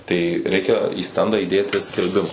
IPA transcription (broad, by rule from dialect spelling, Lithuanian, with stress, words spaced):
tɐɪ ˈrʲɛɪkʲɛ iː ˈsʲtʲɛndɑː iːˈdʲeːtʲɪ sʲkʲɛlʲˈbʲɪmɐ